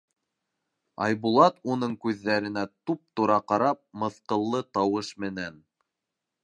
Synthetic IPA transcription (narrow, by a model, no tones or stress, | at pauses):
ɑ̰jβulˠɑt̪unɤɴkʉðːæɾɘ̆næt̪up̚t̪uɾɑqɑɾɑp̚mɤ̆θqɤ̆lˠːɤt̪ɑwɤʃmɘ̆næn